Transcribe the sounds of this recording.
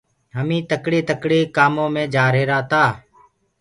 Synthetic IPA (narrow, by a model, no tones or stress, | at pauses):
ɦəmĩːt̪əkɽeːt̪əkɽeːkaːmõːmẽːd͡ʒaːɾeːɾaːt̪aː